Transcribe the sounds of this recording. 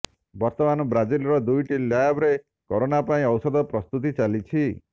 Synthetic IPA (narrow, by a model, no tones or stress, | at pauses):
bɔɾt̪ɔmanɔbɾad͡ʒilɾɔd̪ujʈiljajabɾe | kɔɾonapaĩɔwsɔd̪ɔpɾɔst̪ut̪̬it͡ʃalit͡ʃʰi